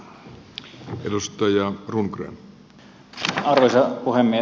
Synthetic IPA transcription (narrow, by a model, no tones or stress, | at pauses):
ʔelust̪ɑjɑrunkrḛːn | ɑrʋosʲɑpuhemːie